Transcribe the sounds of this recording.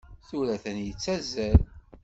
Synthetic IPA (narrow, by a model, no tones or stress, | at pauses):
θuɾæθənjət͡sːæzæl